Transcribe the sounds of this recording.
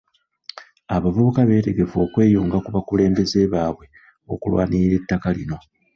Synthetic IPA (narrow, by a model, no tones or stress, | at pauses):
aβavuβukaβe̞ːte̞ɡe̞fo̞ːkwe̞ːjuːŋɡakuβakule̞ːmbe̞ze̞βaːβwe̞ | o̞̰kulwa̰ːniɾiɾe̞tːakalḭno̞